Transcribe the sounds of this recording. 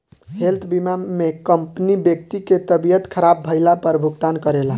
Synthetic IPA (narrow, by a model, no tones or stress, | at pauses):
helt̪ʰbimamekəmpnibjək̚t̪iket̪əbijət̪kʰəɾabːʱəɪlapəɾbʱuɡt̪ankəɾela